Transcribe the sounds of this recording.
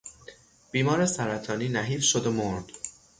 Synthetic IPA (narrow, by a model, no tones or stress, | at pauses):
b̥iːmɒːɾesæɾæt̪ʰɒːniːnæɦiːfʃod̪omoɾd̪̥